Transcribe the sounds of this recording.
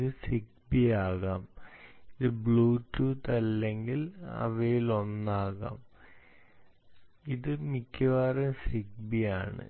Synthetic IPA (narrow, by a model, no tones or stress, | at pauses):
ðɨsik̚ | bijaːɣaːmiðɨbɭuːʈːuːt̪ɐlːeŋɡilɐ̰ʋɐjilo̞nːaːɣa̰ːm | iðɨmikʲːɐʋaːremsik̚bijaːɳɨ̰